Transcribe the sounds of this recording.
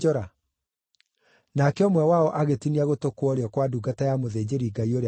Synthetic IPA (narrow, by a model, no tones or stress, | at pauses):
ɔɾa | nakɛɔmwɛwaɔʔaɣetiniaɣotokwɔɾeɔkwaduɡatajamoðeːd͡ʑeɾiɡaioɾe